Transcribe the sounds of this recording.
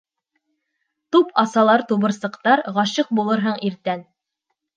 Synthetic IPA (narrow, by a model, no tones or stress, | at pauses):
t̪upʰɑsɑlˠɑɾt̪uβɤ̆ɾsɤ̆qt̪ɑɾʁɑɕɤq̚bulˠɤɾɦɤɴiɾt̪æn